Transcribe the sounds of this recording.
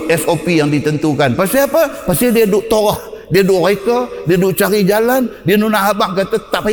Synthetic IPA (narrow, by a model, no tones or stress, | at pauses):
ɛsopijaŋdit̪ənt̪ukanpast̪iapapast̪idiadʊʔt̪oɾɔhdiadʊʔrakədiadʊʔt͡ʃaɾid͡ʒalandianunaɦabaʔkat̪at̪aʔpa